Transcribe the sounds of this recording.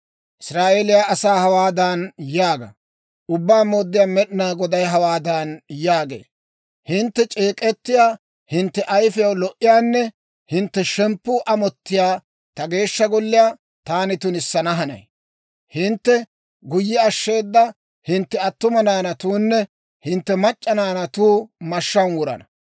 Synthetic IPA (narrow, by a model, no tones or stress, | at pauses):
ʔɪsɾaːʔeːlɪjaɐsaːhɐwaːd̪anjaːɡɐ̰ | ʔʊbːaːmoːd̪ːɪjaːmɛɗɪnaːɡɔd̪ɐjɦɐwaːd̪aːnjaːɡe̞̰ː | hɪnt̪ːɛt͡ʃʼeːkʼɛt̪ːɪjaː | hɪnt̪ːɛʔɐjfɪjɐwlɔʔɪjaːnːɛ | hɪnt̪ːɛʃɛmpːʊʔɐmɔt̪ːɪjaː | t̪ɐɡe̞ːʃːɐɡɔlːɪjaː | t̪aːnɪt̪ʊnɪsːɐnɐɦɐnɐ̰j | hɪnt̪ːɛ | ɡʊjːɛɐʃːe̞ːd̪ːɐ | hɪnt̪ːɛɐt̪ːʊmɐnaːnɐt̪uːnːɛ | hɪnt̪ːɛmɐt͡ʃʼːɐnaːnɐt̪uːmɐʃːɐnwʊɾɐ̰nɐ